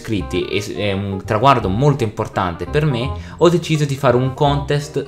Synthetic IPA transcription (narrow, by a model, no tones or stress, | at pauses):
kɾit̪ːiʔḛɛunt̪ɾaɡward̪omolt̪oimport̪a̰nt̪eperme | ɔd̪ːet͡ʃiːzod̪ifaːɾeuŋkɔnt̪ɛst̪